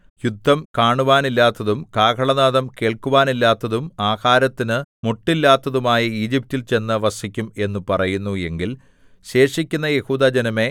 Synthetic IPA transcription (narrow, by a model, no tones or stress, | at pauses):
jud̪ʱːɐmkaːɳuʋaːnilːaːt̪ːɐðumkaːkʰɐɭɐnaːðɐmke̞ːɭkuʋaːnilːaːt̪ːɐðumaːhaːɾɐt̪ːinɨmoʈːilːaːt̪ːɐðumaːjɐiːd͡ʑip̚tilt͡ɕe̞nːɐʋɐsikʲːume̞nːupɐrɐjunːue̞ŋɡil | ɕe̞ːʂikʲːunːɐje̞huːd̪ad͡ʑɐnɐme̞